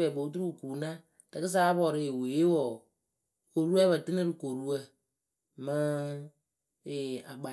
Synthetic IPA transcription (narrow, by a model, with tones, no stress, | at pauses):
ɛ˨bo˨˦t̬u˦ɾu˦˨ku˨˦na˦ | tɨ˨kɨ˦s̬aː˦bɔ˨ɾi˦˨we˨je˦wɔ˨ | ko˨ɾu˦a˦βa˨tɨ˦nɨ˦ɾɨ˨ko˨ɾu˦wə˦ | mɨ˦ | e˨a˨ɡ͡ba˨